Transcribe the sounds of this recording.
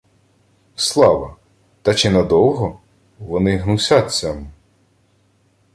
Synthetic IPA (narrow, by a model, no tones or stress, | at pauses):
slˠɑʋɐ | t̪ɐt͡ʃɪnɐd̪ɔwɦɔ | ʋɔnɪɦnusʲat̪ʲt͡sʲam